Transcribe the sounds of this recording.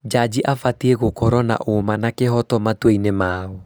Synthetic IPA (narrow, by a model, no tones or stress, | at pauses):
d͡ʒad͡ʑiʔafatieɣokɔɾɔna̰ʔomanakeɦɔtɔmatweinemaːɔ